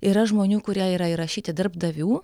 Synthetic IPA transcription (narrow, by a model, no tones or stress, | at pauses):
iːɾɐʒmoːnʲuːkʊɾʲiɛiːɾɐiɾɐʃʲiːt̪ʲɪd̪ɐɾbd̪ɐʋʲuː